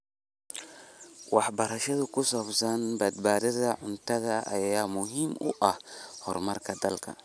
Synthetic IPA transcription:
wɑħbɐɾɐʃɐðʊkʰʊsaːbsɐnbɐd̪̚baːðɐðɐʕʊnt̪ʰɐðɐɐ̰jjaːmʊɦiːmʊ̰ʔɐhhɔrmɐrkʰɐd̪ɐlkʰɐ̰

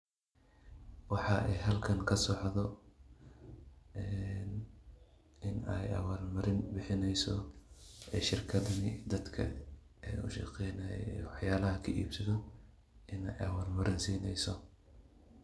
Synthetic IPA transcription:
wɑħɑɛjɦɐlkʰɐŋkʰɐsɔːħʕðɔ | ɛn | ɪnɛ̰jɐ̰waːlmɐɾɪnbɪħɪnɛjsɔ | ɛːʃɪrkʰɐðɐnɪd̪ɐd̪kʰɐ̰ | ɛːʊ̰ʃɐ̰qɛjnɐjɛ̰wɑħjaːlɐɦɐkʰɐʔḭːbsɐðɔ | ɪnɛjɐwaːlmɐɾɪnsiːnɛjsɔ

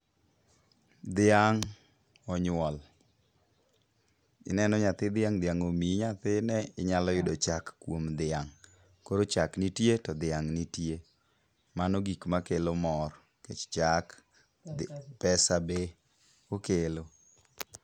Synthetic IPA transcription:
d̪ɪaŋ | ɔɲʊwɔl | ɪ̰nɛnɔɲat̪ɪd̪ɪaŋd̪ɪaŋomiɲat̪ɪnɛɪɲalɔjʊdɔt͡ʃakːwomd̪ɪaŋ | koɾot͡ʃaknitjetɔd̪ɪaŋnitje | manɔɡikmakelomɔr | ket͡ʃt͡ʃak | pɛsabe | kokelo

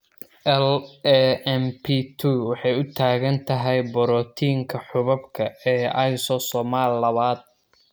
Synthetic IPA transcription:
ʔɛlɛɛmpʰit̪ʰuwɑħɑjʊt̪ʰaːɣɐnt̪ʰɐɦɛjbɔɾɔːt̪ʰiːŋkʰɐħʊβɐbkʰɐɛːɐjsɔsɔmaːlːɐβaːd̪̥̚

